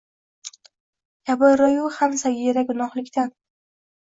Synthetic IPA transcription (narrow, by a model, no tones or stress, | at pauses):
jabɒjɾɒjʊhamsaɡʲiɾaɡʊnɒhlɪkʲt̪an